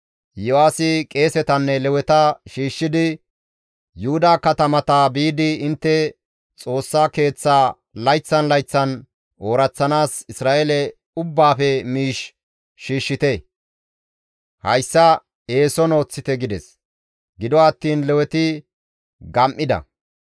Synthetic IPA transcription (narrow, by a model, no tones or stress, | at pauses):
jɔaːsɪkʼe̞ːsɛt̪ɐnːɛlɛwɛt̪ɐʃiːʃːɪd̪ɪ | jʊhʊd̪aːkɐt̪ɐmɐt̪ɐbiːd̪ɪɪnt̪ːɛ | t͡sʼo̞ːsːaːke̞ːt͡sːaː | lɐjt͡sːɐnlɐjt͡sːɐn | o̞ːɾɐt͡sːɐnaːsɪsɾaːʔelɛ | ʊbːaːfɛmiːʃ | ʃiːʃːɪt̪ɛ | hɐ̰jsːɐ | e̞ːsɔno̞ːt͡sːɪt̪ɛɡɪd̪ɛs | ɡɪd̪ɔɐt̪ːiːnlɛwɛt̪ɪ | ɡɐmʔɪd̪ɐ̰